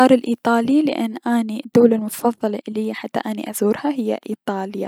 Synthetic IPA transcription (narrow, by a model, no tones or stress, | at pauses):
ɑːɾˤɪlʔiːt̪ˤɑːlilɪ̰ʔɪnːʔanid̪ːaːlalmʊt̪ɑ̥fɑðˤːɑlʔɪlːhɪjːaħat̪ːa̰ʔanḭʔazuːɾhaɦɪjːa̰ʔiːt̪ˤɑːlja̰